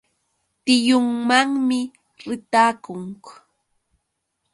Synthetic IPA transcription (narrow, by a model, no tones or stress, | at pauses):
t̪ɪjʊŋmaŋmɪ | ɾɪt̪aːkʊŋk